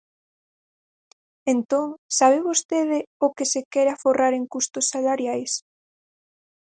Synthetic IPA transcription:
ent̪oŋsaβ̞ɪβost̪eð̞ɪʊkesekɛɾaforaɾeŋkust̪ʊsːalaɾjajs

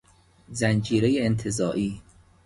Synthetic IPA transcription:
zænd͡ʒiːɾejeːnt̪ʰe̞zɒːʔiː

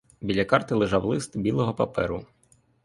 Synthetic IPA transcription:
bʲilʲɐkɑrt̪ɪlˠɪʒɑwlˠɪst̪bʲilˠɔɦɔpɐ̰pɛɾʊ

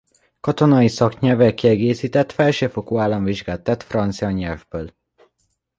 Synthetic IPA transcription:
kɒt̪o̞nɒjisɒkɲɛlvɛlkiɛɡeːsiːt̪ɛt̪fɛlʃøːfo̞koːaːlːɒɱviʒɡaːt̪ːɛt̪frɒnt̪sijɒɲɛlvbøːl

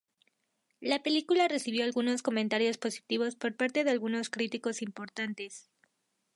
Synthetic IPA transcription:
lape̞likulare̞siβ̞jo̞alɣuno̞sko̞mẽnt̪aɾjo̞spo̞si̥t̪iβ̞o̞spo̞ɾpaɾt̪e̞ðealɣuno̞skɾit̪iko̞simpo̞ɾt̪ant̪e̞s

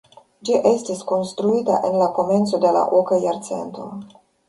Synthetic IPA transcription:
d͡ʒiʔestisko̞nst̪ɾuit̪a̰ʔenlako̞me̞nt̪so̞d̪e̞la̰ʔokajaɾt̪se̞̰nt̪o̞̰

